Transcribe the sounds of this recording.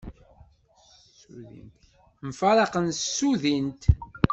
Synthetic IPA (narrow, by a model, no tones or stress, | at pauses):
uðḭnt̪ | mfɑɾˤɑqənsːuðint̪